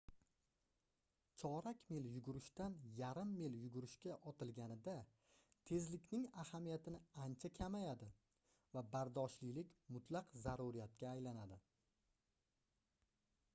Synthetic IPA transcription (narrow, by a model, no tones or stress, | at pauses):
t͡ʃʰɒɾakʲmeljʊɡʊɾɪʃt̪anjaɾɪmːeljʊɡʊɾɪʃkʲaʔɒt̪ʰɪlɡʲanɪd̪a | t̪ʰe̞zlɪkʲnɪŋahamijat̪ɪnɪant͡ʃʰakʲʰamajad̪ɪ | vabaɾd̪ɒʃlilɪkʲmʊt̪ʰlˠɑqzaɾuɾijat̪̚kʲaːjlanad̪ɪ